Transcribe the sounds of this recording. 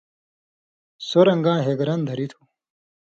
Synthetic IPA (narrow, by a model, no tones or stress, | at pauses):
soɾɐŋɡãːɦeɡɾɐnd̪ʱɐɾit̪ʰu̥